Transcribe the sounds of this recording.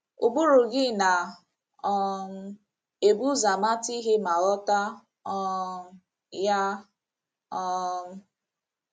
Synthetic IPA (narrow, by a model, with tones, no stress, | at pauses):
u˨bu˦ɾu˨ɡɪ˦na˨ | ɔ˨m̩˦ | e˨bu˦za˨ma˦ti˦ɦe˦ma˨ɾɔ˦ta˦ | ɔ˦ | ja˦ | ɔ˦